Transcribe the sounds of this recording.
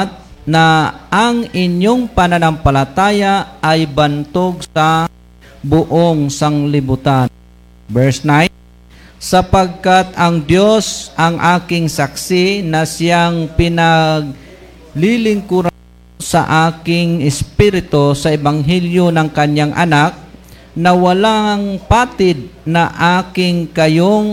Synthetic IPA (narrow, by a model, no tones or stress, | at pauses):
t̪̚naʔːŋɪɲjoŋpɐnanampɐlat̪aːjaːjbɐnt̪oɡsɐ | bʊʔoŋsɐŋlɪbʊt̪a | bɛɹsnaj | sɐpɐɡ̚kat̪ɐŋd̪josʔɐŋʔaːkɪŋsaksɪnɐsɪjaŋpɪnɐɡ̚ | lilɪŋkʊɾa | sɐ̰ʔaːkɪŋɪspiɾɪt̪osɐʔɪbaŋɦɛljonɐŋkɐɲaŋʔɐ̰nak̚ | nɐwɐlaŋpaːt̪ɪd̪̚nɐʔaːkɪŋkɐjoŋ